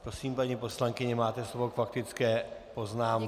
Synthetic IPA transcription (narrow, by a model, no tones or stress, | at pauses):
pɾosiːmpaɲiːpo̞slaŋkɪɲɛmaːt̪ɛslobokfakt̪ɪt͡skɛːpo̞znaːm